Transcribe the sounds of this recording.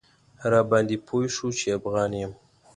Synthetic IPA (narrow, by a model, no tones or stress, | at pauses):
hɐɾaːband̪ipʰojʃut͡ʃʰiabɣɑːnim